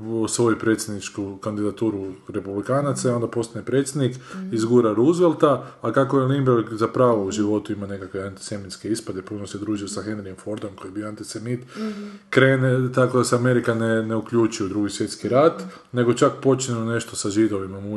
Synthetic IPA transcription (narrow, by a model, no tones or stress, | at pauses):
sʋo̞jupɾe̞t̪sʲjed̪nit͡ʃkukand̪id̪at̪uːɾuɾe̞publikaːnat̪saio̞nd̪apo̞st̪anepɾe̞t̪sjed̪nikizɡuːɾaɾuzʋelˠt̪aːkako̞elimbeɾɡzapɾaːʋouʒiʋo̞t̪uimane̞kakʋe̞ant̪i̥se̞mit̪ske̞ispad̪e̞punose̞d̪ɾuːʒijosaxe̞nɾiemfo̞ɾd̪omko̞jibioant̪isemit̪kɾeːnet̪ako̞d̪aseame̞ɾikaneneukʎuːt͡ʃujud̪ɾuːɡisʋje̞t̪skiɾat̪ | ne̞ɡo̞t͡ʃakpo̞t͡ʃneone̞ʃt̪o̞saʒid̪oʋimamu